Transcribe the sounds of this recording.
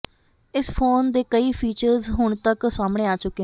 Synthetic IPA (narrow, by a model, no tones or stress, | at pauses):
ɪspʰoːnd̪eːkəiːpʰiːt͡ʃəɾzɦʊɳt̪əksaːmɽeːaːt͡ʃʊkːe